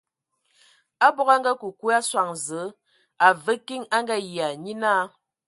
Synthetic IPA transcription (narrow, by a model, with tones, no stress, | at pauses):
a˦bɔ˦ɣa˦ŋ˦ɡa˦ku˨ku˦a˦swa˨ŋzə˨˦ | a˨və˦ki˦ŋa˦ŋɡa˦ji˨a˨ɲi˦na˦˨